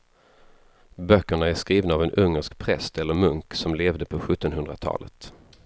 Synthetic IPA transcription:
bœkːəɳaæʂkɾiːvnaaːvɛnʔɵŋːəʂkpʰɾɛst̪ɛlːəɾmɵŋksɔmleːvd̪əpʰɔɧɵt̪ːɔnɦɵnd̪ɾa̰t̪ʰɑ̰ːlə̰t̪

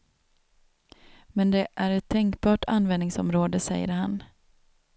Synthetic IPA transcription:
mɛnd̪ɛʔæɾɛt̪ʰːɛŋkbɑːʈa̰nvɛnːɪŋsɔ̰mɾoːd̪əsɛ̰jːə̰ɾhan

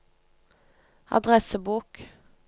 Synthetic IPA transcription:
ɑ̰d̪ʁɛsəbuːk

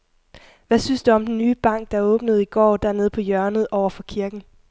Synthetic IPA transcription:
ʋæsynsd̥uɒ̽md̥enːyːb̥ɑ̈ŋ̰ɡ̥̚d̥ɑ̈æɔ̽ːb̥nəð̞̩ˠiɡ̥ɒ̰ːd̥æɐne̝ð̞̩ˠpʰɒ̽jɶɐnəð̩ˠʔɒʊɐfɒ̽kʰiɐɡ̥n̩

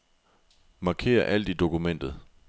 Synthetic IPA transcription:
mɑ̈kʰe̝̰ːɐʔæl̰d̥id̥o̝kʰumen̰d̥ð̞̩ˠ

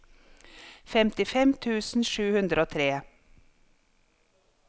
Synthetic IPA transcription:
fɛmt̪ɪfɛmt̪ʰʉːsn̩ʃʉːhʉnd̪ɾəoːt̪ʰɾeː

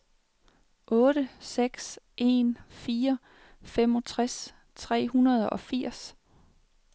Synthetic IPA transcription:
ʔɔ̽ːɾ̥əseɡ̥sʔe̝nfiːɐ | femɒ̽t͡sʰʁas | t͡sʰʁɛ̰ːhunɐð̞ˠɒ̽fiɐ̰s

